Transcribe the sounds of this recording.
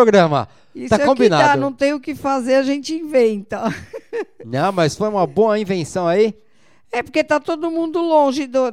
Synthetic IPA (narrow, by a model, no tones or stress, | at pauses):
oɡɾɐ̃mɐ̰ | ist̪aɛkõkbinaannɐ̃w̃t̪ẽj̃ʊkɪfazeɾɐʒẽnt͡ʃɪĩvẽnt̪ɐ | nɐ̃w̃mɐsfojũmɐboɐĩvẽsɐ̃w̃ai | ɛpoɾket̪at̪od̪ʊmũnd̪ʊlõʒɪd̪o